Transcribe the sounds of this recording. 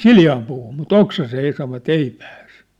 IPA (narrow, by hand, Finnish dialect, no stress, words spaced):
siljɑːm puːhum mut oksɑseː ei sɑʋːɑt ei pæːs